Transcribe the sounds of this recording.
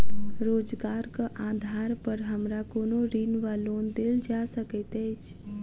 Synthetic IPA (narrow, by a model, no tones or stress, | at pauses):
ɾoːd͡ʒɡaːɾkaʔãːd̪ʱaːɾpəɾɦəmɾakoːnoɾiːnʋaloːnd̪ɪld͡ʒaːsəket̪et͡ʃ